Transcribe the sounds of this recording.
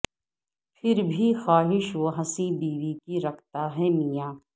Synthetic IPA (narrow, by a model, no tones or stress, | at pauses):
pʰɪɾbʱixaːɦɪʃoɦɐsibiːʋikiɾɐkʰt̪aɦɛmijaː